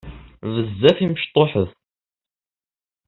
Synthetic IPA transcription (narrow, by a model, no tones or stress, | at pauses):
vəzːæθiməʃt̪ˤːoħəð